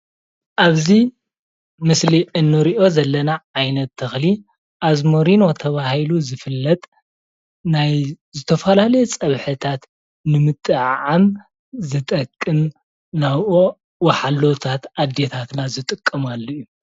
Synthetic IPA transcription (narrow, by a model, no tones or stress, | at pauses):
ʔaβzi | mɨsliʔɨnːɨɾiʔo̞zɐlːɐnaʕajnɐt̪ʰːɨxli | ʔazmoɾino̞t̪ʰɐβahiluzɨfɨlːɐt̪ʼ | naj | zɨt̪ʰɐfɐlalɐjet͡sʼɐβħɨt̪ʰat̪ | nɨmɨt̪ʼːɨʕʕam | zɨt̪ʼɐkʼːɨm | naβʔo | wɐħalːot̪ʰat̪ʔad̪et̪ʰat̪nazɨt̪ʼɨkʼːɐmalːɐjːu